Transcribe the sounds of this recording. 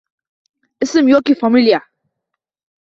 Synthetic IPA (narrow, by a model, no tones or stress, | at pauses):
ʔɪsmjokifamilja